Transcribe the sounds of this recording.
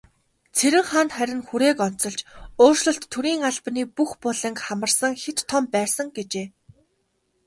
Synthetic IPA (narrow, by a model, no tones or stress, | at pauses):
t͡sʰeɾɘ̆ŋχaːnt̪χæɾʲɪ̆nxuɾeːkɔn̥t͡sɞ̆ɮt͡ɕoːrʃɮɞ̆ɬt̪ʰːuɾiːŋaɮpniːpuxpʊɮə̆ŋkχamə̆rsə̆ŋxet̪ʰːɔmpæːsə̆ŋɡet͡ɕeː